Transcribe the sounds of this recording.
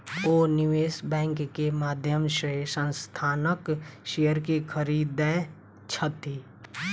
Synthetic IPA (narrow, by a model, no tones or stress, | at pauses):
oːnɪʋeːsbɛ̃ːŋkːemaːd̪ʱjəmʃesə̃nst̪ʰaːnəkʃejəɾkekʰəɾiːd̪ɛ̃ | t͡ʃʰət̪i